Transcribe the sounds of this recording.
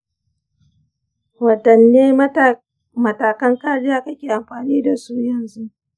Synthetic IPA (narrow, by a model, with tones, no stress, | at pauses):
wɐ˨dɐ˨nːeː˦ | mɐ˨taː˨kɐ˦ŋkaː˦ɽɪ˦jaː˦kɐ˦kʲeː˨ʔa˨mɸaː˨niː˦da˨su˦jɐ˨nzu˦ʔ